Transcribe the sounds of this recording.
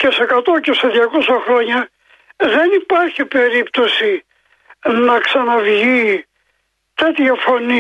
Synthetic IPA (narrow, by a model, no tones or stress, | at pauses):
ce̞sekɐt̪o̞ceseðʝɐko̞sɐxɾo̞ɲɐ | ðe̞nipɐɾçipe̞ɾipt̪o̞si | nɐksɐnɐvʝi | t̪e̞t̪çɐfo̞ni